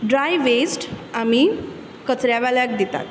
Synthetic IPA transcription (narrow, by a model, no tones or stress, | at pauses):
ɖɾajʋesʈami | kət͡sɾjaʋaljak̚d̪it̪a̰t̪